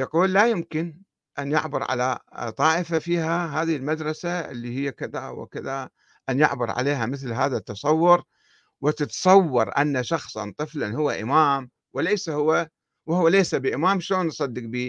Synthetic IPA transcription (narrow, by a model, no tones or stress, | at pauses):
jɑquːlːajʊmkɪn | ʔanjʊ̰ʕbʊɾˤʕa̰lat̪ˤɑːʔɪfafiːɦaɦaːðɪhɪlmad̪ɾˤɑsaɪ̰lːihɪjːakɪðawɪ̰kɪða | ʔanjʊ̰ʕbʊɾˤʕa̰leːɦamɪθlɦaːðat̪ːɑsˤɑwːʊɾ | wɪt̪ɪt̪sˤɑwːɑɾˤʔa̰nːaʃɑxsˤɑ̰nt̪ˤɨflanhʊwːaʔɪmaːm | wɪlejsahʊwːa | whʊwːalejsabɪʔɪmaːmʃloːnːsˤɑd̪ːɨq̚biː